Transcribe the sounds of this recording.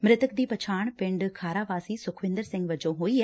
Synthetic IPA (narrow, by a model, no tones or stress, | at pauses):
mɾɪt̪ək̚d̪iːpət͡ʃʰaːɳpɪ̃ɳɖkʰaːɾaːʋaːsiːsʊkʰʋɪ̃nd̪əɾsɪ̃ŋɡʋəd͡ʒõːɦoːiːɛː